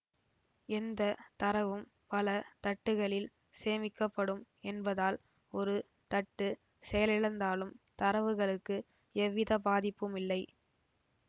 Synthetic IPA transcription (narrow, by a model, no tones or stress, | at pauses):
ɛnd̪ɐt̪ɐɾɐʋɯm | pɐlɐt̪ɐʈːɯɣɐɭɪl | seːmɪkːɐpːɐɽɯm | ɛnbɐðaːl | ɔɾɯ | t̪ɐʈːɯ | sɛjɐlɪɻɐnd̪aːlɯmt̪ɐɾɐʋɯɣɐɭɯkːɯ | ɛʋːɪðɐbaːðɪpːɯmɪlːɐɪ